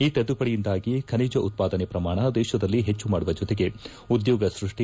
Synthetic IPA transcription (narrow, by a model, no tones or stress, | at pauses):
iːt̪ed̪ːupɐɽijind̪aːɡikʰɐniːd͡ʒɐʔut̪̚paːd̪ɐnepɾɐmaːɳɐd̪ɛːʃɐd̪ɐlːiɦet͡ʃːumaːɽuʋɐd͡ʒɔt̪eɡe̞ | ud̪joːɡɐsɾuʂʈi